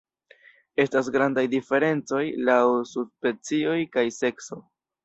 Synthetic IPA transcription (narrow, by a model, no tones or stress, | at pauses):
e̞stasɡɾandajdife̞ɾe̞nt͡so̞jlawsuspe̞t͡sio̞jkajse̞kso̞